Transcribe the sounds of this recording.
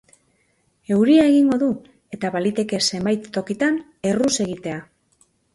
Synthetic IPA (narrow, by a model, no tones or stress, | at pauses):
e̞wɾiae̞ɣiŋɡo̞ðu | e̞t̪aβalit̪e̞ke̞se̞mbajt̪ːo̞kit̪an | e̞ruse̞ɣ̞it̪e̞a